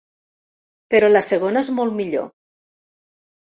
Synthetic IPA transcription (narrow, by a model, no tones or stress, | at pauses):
pəɾɔlasəɣ̞onaezmolˠmiʎo̰